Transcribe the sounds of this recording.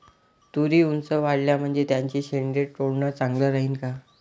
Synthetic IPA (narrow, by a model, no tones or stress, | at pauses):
t̪uɾiːunsəʋaɽljam̤əɳd͡zet̪jaɲt͡ɕiɕeɳɖeɽʈoɽɳət͡saŋɡləːɾaɦiːnka